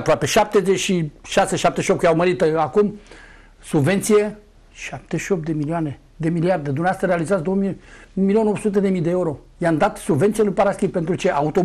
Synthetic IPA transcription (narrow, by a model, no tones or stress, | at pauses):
apɾoape̞ʃap̚t̪e̞zet͡ʃʃiʃaseʃap̚t̪eʃiop̪̚k̪awməɾit̪akum | subve̞nt̪sije̞ | ʃap̚t̪eʃio̞p̚t̪d̪e̞milioane̞ | d̪e̞miliard̪ed̪umneast̪aɾealizat̪sd̪owmimilio̞nowsut̪e̞d̪e̞mijd̪eeuɾo̞ | jamd̪at̪subvent̪sijalujpaɾaskʲipent̪ɾut͡ʃe̞ʔaut̪o̞